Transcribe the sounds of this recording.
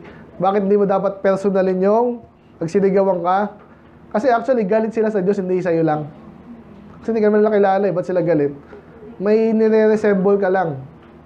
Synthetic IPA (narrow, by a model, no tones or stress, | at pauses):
baːkɪt̪hɪnd̪imod̪aːpɐt̪̚pɛɾsonɐlɪɲjoŋ | pɐɡ̚sɪnɪɡɐwɐŋka | kɐsɛʔak̚t̪wɐliɡaːlɪt̪̚sɪlasɐd͡ʒo̞shɪnd̪isɐjolaŋ | sɪnd̪ikɐnmanɪlakɪlaːlɐʔɛbɐt̪̚sɪlaɡɐlɪt̪̚ | mɐjnɛɾɛɾɛsɛmbolkɐlaŋ